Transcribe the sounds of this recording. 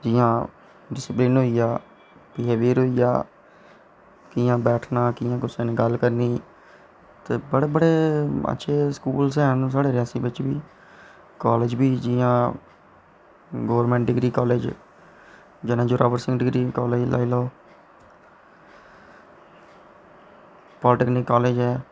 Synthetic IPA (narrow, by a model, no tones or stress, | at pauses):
d͡ʒɪjãː | ɖɪsɪplɪːnɦoːijaː | piːeːʋiːɾoːiːja̰ː | kijãːbɛːʈʰnaːkɪːjãːkʊsẽːnẽːɡəlkəɾniː | t̪eːbəɽeːbəɽeːə̰tːʃʰeːskuːlsɛ̃ːnũːsaːɽeːɾɪjaːsiːbɪt͡ʃbiː | kɔːleːd͡ʒbiːd͡ʒɪjãː | ɡoːʋəɾmɛ̃ːɳʈɖɪɡɾiːkɔːleːd͡ʒ | d͡ʒɪnãːd͡ʒoːɾʔaːʋəɾsɪ̃ŋɡɖɪɡɾiːkɔːleːd͡ʒlʔa̰ːiloː | pɔːlʈeːknɪkːɔːleːd͡ʒɦɛː